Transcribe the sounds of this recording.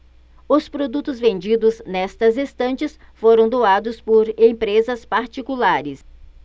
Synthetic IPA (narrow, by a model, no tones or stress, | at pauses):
ʊspɾod̪ut̪ʊzvẽnd͡ʒid̪ʊznɛst̪ɐzist̪ɐ̃nt͡ʃɪsfoɾɐ̃w̃d̪oad̪ʊspoɾẽpɾezɐspaɾt͡ʃikulaɾɪs